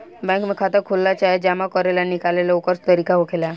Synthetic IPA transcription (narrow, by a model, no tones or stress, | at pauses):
bɛ̃ŋkmekʰat̪əɾkʰolːat͡ɕaɦed͡ʑamakɔɾelanikalelaokəɾst̪əɾikaɦokʰela